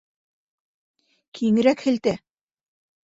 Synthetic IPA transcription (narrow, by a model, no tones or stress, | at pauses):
kʰiŋɘ̆ɾækhɘ̆lt̪æ